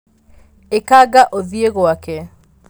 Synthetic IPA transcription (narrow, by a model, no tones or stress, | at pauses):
ekaɡaʔoðieɣwakɛ